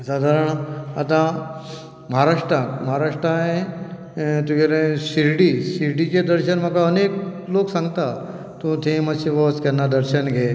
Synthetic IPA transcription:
sad̪ʱaɾəɳ̃at̪ã | məɦaɾaʂʈɾãkməɦaɾaʂʈɾae | t̪ũkeɾẽsiɾɖisiɾɖit͡ɕed̪əɾɕənm̤əkaənekloksãŋɡt̪a | t̪õt̪ʰẽmaseʋəskɛnːad̪əɾɕənɡʱe

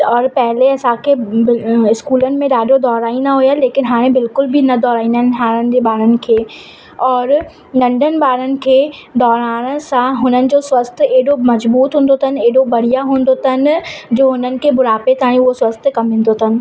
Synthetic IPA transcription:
ɔːɾpɛɦɪleɐsãkʰeɪɪskuːlənɪ̆mẽɗaːɖʱod̪ɔːɾaːinɐɦʊjaleːkɪnɦaːɾ̃ẽbɪlkʊlbʱɪnɐd̪ɔːɾaːĩnd̪aɦɪnɦaːɾ̃ənɪ̆d͡ʑeɓaːɾənɪ̆kʰeː | ɔːɾ | nɐ̃ɳɖʱənɪ̆ɓaːɾənɪ̆kʰeːd̪ɔːɾaːɽ̃sãɦʊnənɪ̆d͡ʑoːswɐst̪eɦɪɗomɐzbuːt̪ɦũːn̆d̪ot̪ʰənɪ̆eːɦɪɽobɐɽ̤ijaɦũːn̆d̪ot̪ʰənɪ̆d͡ʑoːɦʊnənɪ̆kʰebʊɾaːpet̪aːɽ̃ĩʊɦoswɐst̪kɐmẽːn̆d̪ot̪ʰənɪ̆

